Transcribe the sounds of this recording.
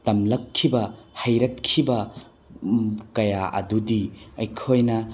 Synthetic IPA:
tɐmlɐkʰːibɐhɐjɾɐt̚kʰːibɐ | kɐjaʔɐ̰dudiɐjkʰojnɐ

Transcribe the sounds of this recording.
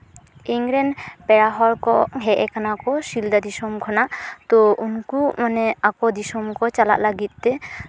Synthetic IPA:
iŋɾɛnpɛɽaɦɔɾkɔɦɛʔɛkanakɔsild̪ad̪isɔmkʰɔnaʔt̪ɔunkumanɛakɔd̪isɔmkɔt͡ʃala̰ʔlaɡit̪̚ˀt̪ɛ

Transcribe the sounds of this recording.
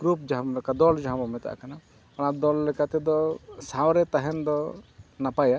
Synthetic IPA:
ɡ̥ɾup̚d͡ʒaɦabɔlɛkad̪ɔld͡ʒaɦabɔmɛt̪a̰ʔkana | ɽ̃ad̪ɔlːɛkat̪ɛd̪ɔsawɾɛt̪aɦɛnd̪ɔnapaja

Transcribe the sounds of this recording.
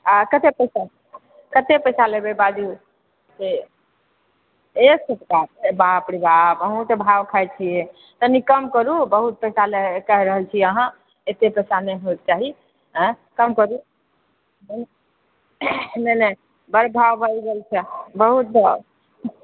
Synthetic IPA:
akət̪epəjsa | kət̪epəjsalebebad̪i | se | esət̪kaɾebapɽibʱapəɦũt̪ebʱawkʰajt͡ʃʰije | t̪ənikəmkəɾubəɦut̪̚pəjsalekəɦɾəɦəlt͡ʃʰiəɦã | et̪epəjsanəjɦoik̪̚t͡ʃaɦĩ | kəmkəɾu | nən | nənə | bəɾbʱawbʱəiɡelt͡ʃʰɛbəɦut̪̚bʱaw

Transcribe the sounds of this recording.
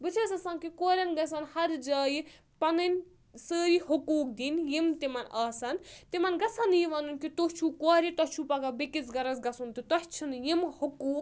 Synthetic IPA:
bɨt͡ʃʰɐsɐsɐːnkikoːɾʲɐnɡɐs̬ɐnhɐɾd͡ʒaːji | pɐnɨnʲ | səːɾiɦukuːk̚d̪injimt̪imɐnaːsɐnt̪imɐnɡɐsɐnjiʋɐnunkit̪ot͡ʃʰukoːɾit̪ɐt͡ʃʰupɐɡabekit͡sɡɐɾɐsɡɐsunt̪ɨt̪ɐht͡ʃʰinjimhukuːk

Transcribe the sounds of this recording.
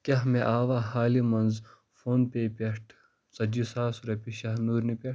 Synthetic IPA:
kʲɐɦmeʔaːʋaːhaːlimɐnz | fʰoːnpeːpʲeʈʰ | sɐd͡ʒisaːsuɾɐpiʃaɦnuːɾnipʲeʈ

